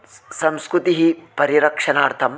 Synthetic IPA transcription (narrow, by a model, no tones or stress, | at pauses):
sɐmskɾut̪iɦipɐɾiɾɐkʂɐnaːɾt̪ʰɐm